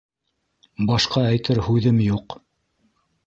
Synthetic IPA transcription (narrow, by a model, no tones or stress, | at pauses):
bɑʃqɑæjt̪ɘɾhʉðɘmjuq